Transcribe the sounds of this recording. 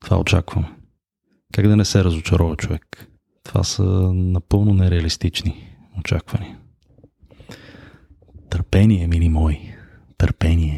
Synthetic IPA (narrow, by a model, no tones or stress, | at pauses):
t̪o̥va̰o̰t͡ʃa̰kvəm | kaɡd̪ɐnɛsɛɾɐzʊt͡ʃɐɾɔvɐt͡ʃovɛk | t̪ova̰sənɐpɤlˠnonɛɾɛɐlist̪it͡ʃni | ot͡ʃa̰kvɐniə | t̪əɾpɛniɛmilimɔj | t̪əɾpɛniɛ